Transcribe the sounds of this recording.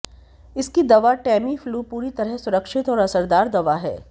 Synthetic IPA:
ɪskid̪ɐʋaʈɛːmifʰluːpuːɾit̪ɐɾəɦsʊɾəkʃɪt̪ɔːɾɐsəɾd̪aːɾd̪ɐʋaɦɛ̰ː

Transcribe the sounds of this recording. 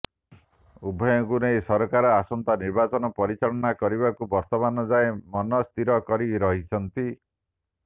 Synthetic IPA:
ubʱɔjɔkunejsɔɾɔkaɾɔasɔnt̪aniɾbat͡ʃɔnɔpɔɾit͡ʃaɭɔnakɔɾiβakubɔɾt̪ɔmanɔd͡ʒaemɔnɔst̪iɾɔkɔɾiɾɔɦit͡ʃʰɔnt̪i

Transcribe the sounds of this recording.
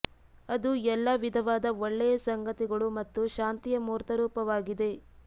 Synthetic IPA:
ɐd̪uɛlːɐʋid̪ʱɐʋaːd̪ɐoɭːɛjɐsɐŋɡɐt̪iɡɐɭumɐt̪ːuʃaːnt̪ijɐmuːɾt̪ɐɾuːpɐʋaːɡid̪e̞

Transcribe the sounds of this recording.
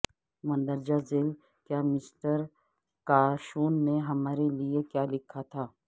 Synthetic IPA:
mɐ̃nd̪əɾd͡ʒazeːl | kjaːmɪsʈəɾ | kaːʃuːnːeɦɐmaːɾeliekjaːlɪkʰat̪ʰaː

